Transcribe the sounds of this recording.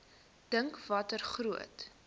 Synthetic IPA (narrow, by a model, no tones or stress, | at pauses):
d̥əŋkvɐtərχruət